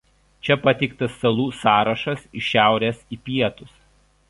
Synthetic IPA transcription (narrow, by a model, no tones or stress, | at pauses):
t͡ʃʲɛpɐt̪ʲɛɪk̚t̪ɐsːɐlˠuːsɑːɾɐʃɐsɪʃʲæˑʊɾʲɛːsiːpʲiɛt̪ʊs